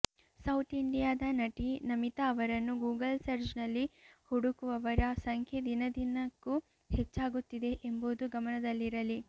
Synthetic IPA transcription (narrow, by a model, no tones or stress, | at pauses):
sɐwt̪ʰiɳɖijaːd̪ɐnɐʈinɐmit̪ɐːʋɐɾɐnːuɡuːɡɐlsɐɾd͡ʒnɐlːihuɽukuʋɐʋɐɾɐsɐŋkʰjed̪inɐd̪inɐkːu | het͡ʃːaːɡut̪ːid̪e̞ʔembuːd̪uɡɐmɐnɐd̪ɐlːiɾɐli